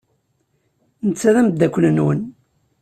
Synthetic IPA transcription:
nət͡sːæðæmd̪ːækʷːnənwən

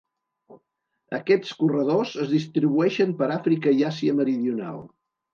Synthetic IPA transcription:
ə̰kɛt͡skurəð̞ozəzðist̪ɾiβuɛʃəmpəɾafɾikəiasiəməɾiðiuna̰lˠ

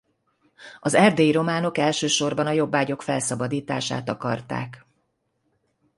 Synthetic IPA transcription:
ɒzɛrd̪eːjiɾo̞maːno̞kɛlʃøːʃo̞rbɒnɒjo̞bːaːɟo̞kfɛlsɒbɒd̪iːt̪a̰ːʃa̰ːt̪ɒkɒ̰rt̪a̰ːk

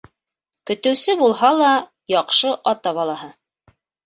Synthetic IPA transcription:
kɵ̆t̪ɘ̆wsɘbulˠɦɑlˠɑ | jɑqʃɤʔɑt̪ɑβɑlˠɑɦɤ

